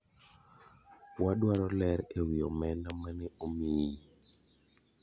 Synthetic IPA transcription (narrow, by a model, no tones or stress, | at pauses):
wadwaɾɔlɛɾewiɔmɛnamanɛomii